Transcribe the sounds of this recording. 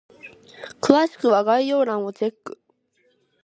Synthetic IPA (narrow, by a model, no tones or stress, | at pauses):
kɯ̟βaɕi̥kɯ̟βaɡaijo̞ːnãɰ̃o̞t͡ɕe̞kːɯ̟̥